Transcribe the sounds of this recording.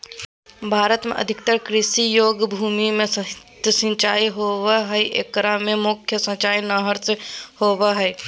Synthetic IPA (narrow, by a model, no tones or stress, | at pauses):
bʱaːɾət̪mḛ̃ʔɐ̰d̪ʱɪkt̪əɾkɾɪʃijoːɡbʱuːmimẽsəɦt̪əsə̃nt͡ʃaːiɦoːʋeɦəiʔḛːkːəɾamẽmʊkʰjəsə̃t͡ʃaːjnəɦəɾsehoːweɦɛj